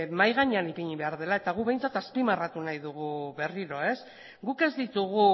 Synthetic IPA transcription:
majɣ̞aɲanipiɲiβe̞aɾð̞e̞lae̞t̪aɣ̞uβe̞jnt͡sat̪aspimarat̪unajðuɣ̞uβe̞riɾo̞e̞s | ɡuke̞zd̪it̪uɣu

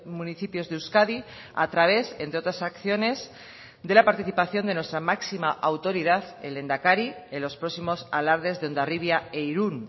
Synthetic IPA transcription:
muniθipjo̞zðeuskaði | a̰t̪ɾaβ̞e̞sent̪ɾeo̞t̪ɾasakθjo̞ne̞z | d̪e̞lapaɾt̪iθipaθjo̞nd̪e̞nwest̪ɾamaksimaʔawt̪o̞ɾið̞aθele̞nd̪akaɾielo̞spɾo̞ksimo̞sa̰laɾðe̞zðeo̞nd̪ariβjaeiɾun

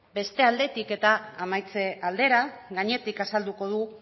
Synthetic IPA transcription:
be̞st̪e̞ald̪e̞t̪ike̞t̪aːmajt͡se̞ʔald̪e̞ɾaɣaɲe̞t̪ikasald̪uko̞ð̞u

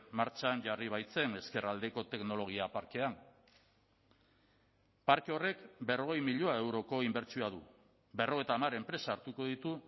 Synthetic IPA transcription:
maɾt͡saɲd͡ʑariβ̞ajt͡se̞ne̞ske̞rald̪e̞ko̞t̪e̞kno̞lo̞ɣ̞iapaɾke̞an | paɾkeo̞re̞kbe̞ro̞ɣ̞e̞jmiʎoae̞wɾo̞ko̞imbe̞ɾt͡sioaðu | be̞ro̞ɣ̞et̪aːmaɾe̞mpɾe̞saːɾt̪uko̞ð̞it̪u

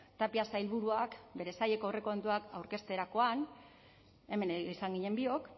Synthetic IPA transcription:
t̪apiasajlβuɾuakbe̞ɾe̞saje̞ko̞ewre̞kont̪uakawɾke̞st̪e̞ɾako̞an | e̞me̞nisaŋɡiɲe̞mbio̞k

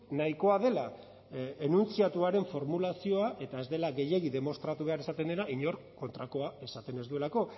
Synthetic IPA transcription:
naiko̞aðe̞la | enunt͡siat̪uaɾe̞ɱfo̞ɾmulasio̞aʔe̞t̪ae̞zd̪e̞laɣe̞je̞ɣiðe̞mo̞st̪ɾat̪uβ̞e̞aɾe̞sat̪e̞nd̪enaiɲo̞ɾ | ko̞nt̪ɾako̞ae̞sat̪e̞ne̞zd̪ue̞lako̞

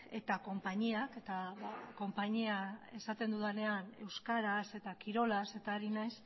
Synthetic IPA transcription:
e̞̰t̪ako̞mpaɲiake̞t̪aβako̞mpaɲiae̞sat̪e̞nd̪uðane̞ane̞̰wskaɾase̞t̪akiɾo̞lase̞t̪aeɾinajs

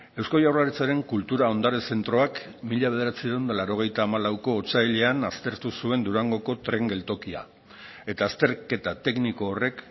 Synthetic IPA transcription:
e̞wskojawraɾet͡saɾe̞ŋkult̪uɾao̞nd̪aɾe̞se̞nt̪ɾo̞ak | miʎaβe̞ð̞e̞ɾat͡siðewnd̪alaɾo̞ɣ̞e̞jt̪aːmalawko̞ːt͡sajʎe̞anast̪e̞ɾt̪usue̞nd̪uɾaŋɡo̞ko̞t̪ɾe̞ŋɡe̞lt̪o̞kia̰ | e̞t̪aːst̪e̞ɾke̞t̪at̪e̞kniko̞ːre̞k

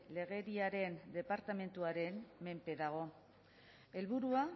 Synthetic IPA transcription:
le̞ɣ̞e̞ɾiaɾe̞nd̪e̞paɾt̪ame̞nt̪uaɾe̞mːe̞mpe̞ðaɣ̞o̞ | e̞lβuɾua

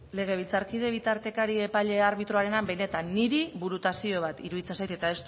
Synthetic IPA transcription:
le̞ɣ̞e̞β̞it͡saɾkið̞e̞β̞it̪aɾt̪e̞kaɾie̞paʎe̞aɾβit̪ɾo̞aɾe̞nambe̞jne̞t̪anːiɾiβuɾut̪asio̞β̞at̪ḭɾuðit͡se̞nsajt̪e̞t̪ae̞st̪

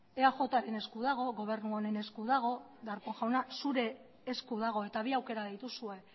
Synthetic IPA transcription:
eaʝo̞t̪aɾe̞ne̞skuðaɣ̞o̞ɣo̞β̞e̞ɾnuone̞ne̞skuðaɣ̞o̞ | ðaɾkoŋʝawnasuɾe̞ː | skuðaɣ̞o̞e̞t̪aβiawke̞ɾaðejt̪usue̞

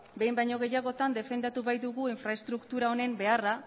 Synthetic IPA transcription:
be̞jmbajɲo̞ɣ̞e̞jaɣ̞o̞t̪and̪e̞fe̞nd̪at̪uβajd̪uɣ̞uiɱfɾae̞st̪ɾukt̪uɾao̞ne̞mbe̞ara

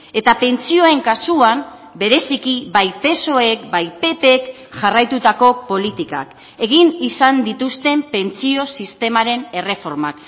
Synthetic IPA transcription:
e̞t̪ape̞nt͡sio̞e̞ŋkasuam | be̞ɾe̞sikiβbajpe̞so̞e̞kbajpe̞pe̞k | ʝarajt̪ut̪ako̞po̞lit̪ika̰k | e̞ɣ̞inisand̪it̪ust̪e̞mpe̞nt͡sio̞sist̪e̞maɾe̞ne̞re̞fo̞ɾmak

